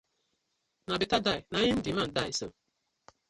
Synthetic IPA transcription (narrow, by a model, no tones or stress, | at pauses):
nabitadajnajin̩diman̩dasə̰